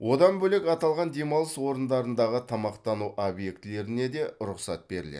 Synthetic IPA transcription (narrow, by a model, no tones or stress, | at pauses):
wʔo̞d̪ɑnbɵle̞kɑt̪ɑlˠʁɑnd̪e̞mɑlˠəswo̞ɾənd̪ɑɾənd̪ɑʁət̪ʰɑmɑqt̪ɑnuʔobje̞kt̪ɪle̞ɾɪne̞d̪e̞ɾʊqsɑt̪̚be̞ɾɪ̰lḛd̪